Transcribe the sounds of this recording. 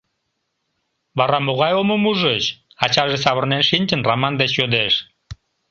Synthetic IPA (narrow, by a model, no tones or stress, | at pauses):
βɑɾɑmoɣɑjomomuʒət͡ɕ | ɑt͡ɕɑʒes̬ɑβərnenʃinʲt͡ɕənramɑnd̪et͡ɕjød̪eʃ